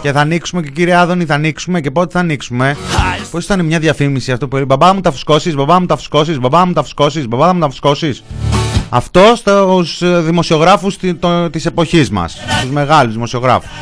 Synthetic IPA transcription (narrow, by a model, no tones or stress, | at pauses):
ce̞θɐːniksume̞ce̞ciɾieɐðo̞niθɐniksume̞ce̞po̞t̪eθɐniksume̞po̞si̥t̪ɐnemɲɐðʝɐfimisiɐft̪opuibɐbɐmut̪ɐfu̥sko̞sizbɐbɐθɐmut̪ɐfu̥sko̞sizbɐbɐθɐmut̪ɐfu̥sko̞sizbɐbɐθɐmut̪ɐfu̥sko̞sis | ɐft̪o̞st̪sðimo̞sio̞ɣɾɐfust̪ise̞po̞çizmɐ̰st̪uzme̞ɣɐluzðimo̞sio̞ɣɾɐ̰fu̥s